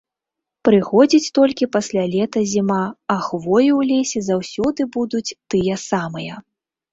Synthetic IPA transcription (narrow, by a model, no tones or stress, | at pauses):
pɾɨxɔd͡zʲit͡sʲt̪ɔlʲkʲipasʲlʲalʲɛt̪ɐzʲimaɐxvɔjuwlʲesʲɛzawsʲɔd̪ɨbud̪ut͡sʲt̪ɨjɐsamɨjɐ